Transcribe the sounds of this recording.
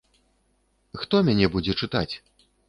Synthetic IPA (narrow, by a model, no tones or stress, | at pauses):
xt̪ɔmʲanʲɛbud͡zʲɛt͡ʂɨt̪at͡sʲ